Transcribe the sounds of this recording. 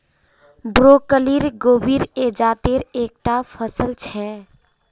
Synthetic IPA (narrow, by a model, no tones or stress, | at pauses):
bɾokəliɾɡobiɾed͡ʒat̪eɾek̚ʈapʰəsəlt͡ʃʰɛ